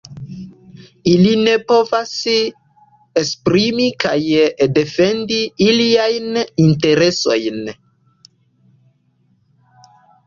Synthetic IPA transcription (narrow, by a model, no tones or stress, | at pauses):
iline̞po̞vas | espɾimikajde̞fe̞ndiiliajninte̞ɾeso̞̰jn